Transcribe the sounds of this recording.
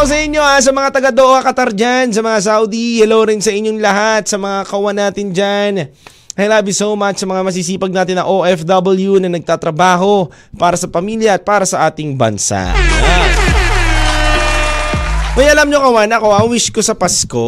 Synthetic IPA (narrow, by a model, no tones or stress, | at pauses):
os̬ɐʔɪɲːo̞ʔas̬ɐmɐŋat̪ɐɡad̪oʔhɐkɐt̪ɐɾd͡ʒans̬ɐmɐŋas̬awd̪ihɛlowɾɪnsɐʔɪɲːoŋlɐɦat̪̚sɐmɐŋakɐʔʊwanaːt̪ɪnd͡ʒan | ʔɐjlaːbisowmat͡ʃsɐmɐŋamɐs̬iːs̬iːpɐɡ̚naːt̪ɪnːɐŋʔoʔɛfd̪ɐbɐljunɐnɐɡ̚t̪aːt̪ɾɐbaːɦo̞ | paːɾɐsɐpɐmiːljɐɐt̪̚paːɾɐsɐʔaːt̪ɪŋbɐ̰nsa̰a | ʔɐjɐlamɲokɐwanɐko̞ʔawiʃko̞sɐpɐsko